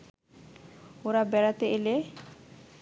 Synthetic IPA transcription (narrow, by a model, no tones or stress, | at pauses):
oɾabɛɽat̪eʔele